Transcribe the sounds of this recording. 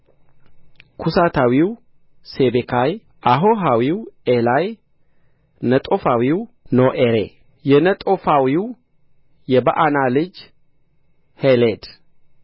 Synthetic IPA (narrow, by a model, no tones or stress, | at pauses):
kʰusat̪ʰawiw | sebekʰaj | ʔaɦo̞ɦawiwelaj | nət̪ʼo̞fawiw | noʔeɾḛ | jɛnət̪ʼo̞fawiw | jɛbəʔanalɨd͡ʒ | heled̪